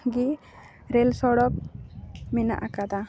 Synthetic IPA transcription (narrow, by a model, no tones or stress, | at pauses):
ɡi | ɾɛlsɔɽɔk̚ | mɛna̰ʔakad̪a